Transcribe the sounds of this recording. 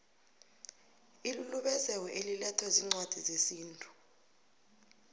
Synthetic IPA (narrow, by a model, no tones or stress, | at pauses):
iluluɓɛzɛwɛʔelilɛtʰwɛziŋ͡ǀwad̥ʱizesiːntʼu̥